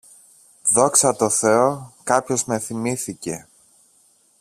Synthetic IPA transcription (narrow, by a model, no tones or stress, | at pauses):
ðo̞ksɐt̪o̞θe̞o̞kɐpço̞zme̞θimiθice̞